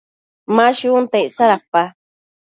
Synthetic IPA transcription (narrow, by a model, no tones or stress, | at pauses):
mãʃuunt̪eʔsaɾapa